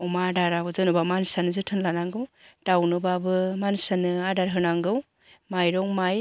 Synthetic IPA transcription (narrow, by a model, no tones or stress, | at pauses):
ɔmadaɾabɯzɯnubamansanɯzɯtʰɯnlanaŋɡɯwdawnɯbabɯmansanɯadaɾɦɯnaŋɡɯw | majɾɔŋmaj